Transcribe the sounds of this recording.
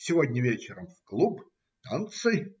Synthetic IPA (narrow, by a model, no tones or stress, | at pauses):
sʲɪvodʲnʲəvʲet͡ɕɪɾəmvklˠup | t̪ant̪sɨj